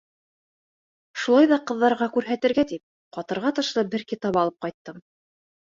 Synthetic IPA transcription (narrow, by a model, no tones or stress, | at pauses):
ʃulˠɑjðɑqɤ̆ðːɑɾʁɑkʉɾɦæt̪ɘ̆ɾɡæt̪ip̚ | qɑt̪ɤ̆ɾʁɑt̪ɤ̆ʃlˠɤbɘɾkit̪ɑpɑlˠɤp̚qɑjt̪ːɤm